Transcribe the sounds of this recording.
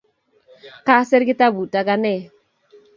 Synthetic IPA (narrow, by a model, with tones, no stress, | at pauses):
ka˦sɛ˦ɾɡɪ˦ta˦bu˨ta˦ɡa˦nɛ˦˨